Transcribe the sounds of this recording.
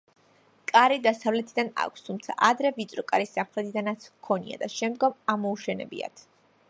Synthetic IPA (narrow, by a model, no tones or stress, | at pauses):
kʼaɾid̪asavlɛt̪ʰid̪ana̰kʷʰst̪ʰumt̪sʰa̰ʔad̪ɾɛvit̪sʼɾɔkʼaɾisːamχɾɛt̪ʰid̪anat̪sʰkʰɔnḭa̰d̪aʃɛmd̪ɡɔmamɔuʃɛnɛ̰bḭa̰t̪ʰ